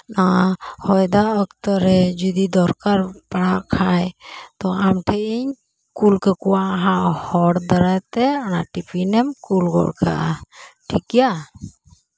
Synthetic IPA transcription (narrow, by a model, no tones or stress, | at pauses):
nahɔjd̪aʔɔkt̪ɔɾɛd͡ʒud̪id̪ɔɾkaɾpaɽaʔkʰajt̪ɔamʈʰɛʔiɲ | kulkəkɔwaʔɦãʔhɔɽd̪aɾajt̪ɛɔnaʈipinɛmkulɡɔ̰ɽka̰ʔaʈʰikija